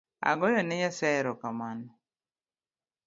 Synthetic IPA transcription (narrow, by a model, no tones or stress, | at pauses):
a̰ɡɔjɔnɛɲasɛɾɔkamanɔ